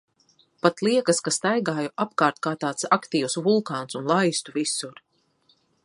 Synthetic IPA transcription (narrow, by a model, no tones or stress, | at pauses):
pat̪lˠiɛkɐskast̪ajɡaːjuʔap̚kaːɾt̪̚kaːt̪aːt̪sakt̪iːwsvulˠkaːnsunlˠajst̪uvisuɾ